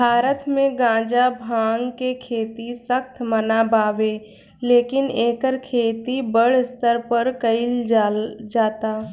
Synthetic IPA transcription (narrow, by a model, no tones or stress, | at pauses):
bʱaːɾət̪mẽɡãːd͡ʒabʱãːŋɡkekʰeːt̪isəxt̪mɐnabaːʋeː | leːkɪneːkəɾkʰeːt̪ibəɽst̪əɾpəɾkɐɪl | d͡ʒaːt̪aː